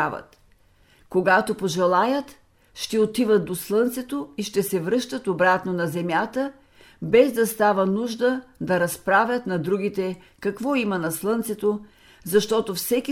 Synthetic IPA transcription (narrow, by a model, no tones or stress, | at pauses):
avə̰t̪ | koɡat̪opoʒɛlˠajət̪ | ʃt̪ɛot̪ivət̪d̪oslˠɤnt̪sɛt̪oiʃt̪ɛsɛvɾɤʃt̪ət̪obɾat̪nonɐzɛmʲjat̪ə | bɛzd̪ɐst̪avənuʒd̪əd̪ɐɾɐspɾavʲət̪nɐd̪ɾuɡit̪ɛ | kɐkvɔimɐnɐslˠɤnt̪sɛt̪o | zɐʃt̪ɔt̪ofsɛkʲi